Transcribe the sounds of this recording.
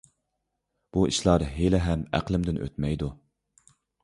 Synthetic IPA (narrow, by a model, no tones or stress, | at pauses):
b̥uiʃlˠɑːɾɨɦelɛɦɛmæ̰qlˠɪmd̪ɪnʔø̰t̪mɛjd̪u